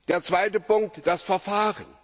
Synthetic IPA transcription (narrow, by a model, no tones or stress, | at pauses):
d̥eːɐt͡sv̥aɪtəpʊŋk̚td̥asfɛɐfaːʁə̰n